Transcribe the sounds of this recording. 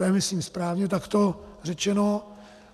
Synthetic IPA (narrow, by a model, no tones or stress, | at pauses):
ɛmɪsliːmspɾaːvɲɛt̪akt̪o̞r̝ɛt͡ʃɛno̞